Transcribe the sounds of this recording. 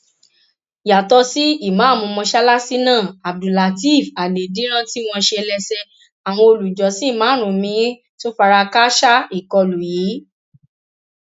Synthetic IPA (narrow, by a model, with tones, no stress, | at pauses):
ja˨tɔ˧˦si˦i˦˨mãː˨˦˨mɔ̃˧mɔ̃˧ʃa˦la˦si˦nãː˦˨a˨b̚du˨la˨ti˦˨fa˨le˨dĩ˨˦ɾ̃ã˦ti˦w̃ɔ̃˧ʃe˧lɛ˧sɛ˧ | a˨w̃ɔ̃˧o˧lu˨d͡ʒɔ˨˦si˦˨mãː˨˦˨ɾ̃ũ˨mĩ˧˦ | to˦fa˧ɾa˧ka˦ʃa˦i˦˨kɔ˧lu˨jiː˨˦